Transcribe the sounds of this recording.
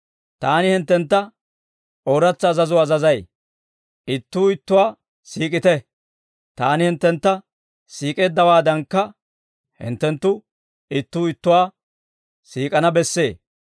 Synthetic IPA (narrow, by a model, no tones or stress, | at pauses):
t̪aːnɪhɪnt̪ːɛnt̪ːɐ | ʔoːɾɐt͡sːɐːzɐzʊɐzɐzɐj | ʔɪt̪ːuːɪt̪ːʊwaː | siːkʼɪt̪ɛ | t̪aːnɪhɪnt̪ːɛnt̪ːɐ | siːkʼe̞ːd̪ːɐwaːd̪ɐŋkːɐ | hɪ̰nt̪ːɛnt̪ːʊ | ɪt̪ːuːɪt̪ːʊwaː | siːkʼɐnɐbɛsːeː